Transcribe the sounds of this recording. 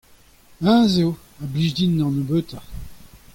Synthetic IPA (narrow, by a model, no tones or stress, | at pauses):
ãzew | abliʒd̪inːɑ̃nobøt̪a